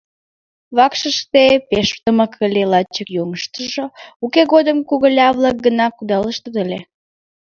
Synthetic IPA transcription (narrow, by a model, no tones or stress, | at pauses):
βɑkʃəʃt̪epeʃt̪əməkʰəlʲelɑt͡ɕəkjoŋəʃt̪əʒoukeɣod̪əmkuɣəlʲɑβlɑk̚ɡənɑkud̪ɑləʃt̪əd̪əlʲe